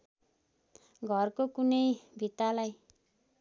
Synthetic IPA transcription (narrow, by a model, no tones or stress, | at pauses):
ɡʱʌrkokunʌjbʱit̪alaj